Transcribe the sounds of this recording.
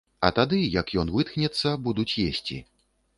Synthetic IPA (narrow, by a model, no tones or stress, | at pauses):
ɐ̰t̪ad̪ɨjɐkjɔnvɨt̪xnʲɛt̪sːɐbud̪ut͡sʲjesʲt͡sʲḭ